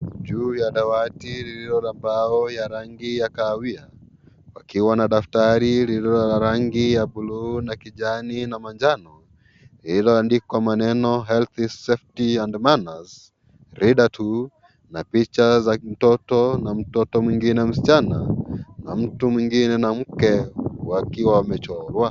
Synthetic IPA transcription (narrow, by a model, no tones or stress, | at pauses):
d͡ʒuːjaɗawatiliɾiɾɔɾambaɔjaɾaŋɡijakaːwia | wakiwanaɗaftaɾiliiɾɔaɾaŋɡijaɓulunakiʄaninamand͡ʒanɔ | lilɔandikwamanɛnɔɦɛlθisɛftiandmanaz | ɾiɗatʰu | napit͡ʃazam̩tɔtɔnam̩tɔtɔmwiŋɡinɛm̩si̥t͡ʃanana̰m̩tumwiŋɡinɛnam̩kɛwakiwawamɛt͡ʃɔlwa